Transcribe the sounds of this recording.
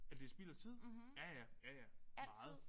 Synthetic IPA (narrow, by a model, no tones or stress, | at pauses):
æd̥e̝sb̥ilɐt͡sʰið̞̰ˠjæjæjæjæɑ̈ð̩ˠ